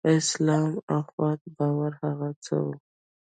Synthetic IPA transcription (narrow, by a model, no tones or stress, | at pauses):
ɪslɑmaxwɑt̪bɑwaɾhaɣat͡sə̰wu